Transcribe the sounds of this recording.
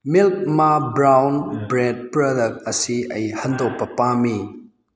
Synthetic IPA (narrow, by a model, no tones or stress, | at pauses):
milk̚mabɾawnbɾed̚pɾodɐk̚tɐsiɐjhɐndok̚pɐpami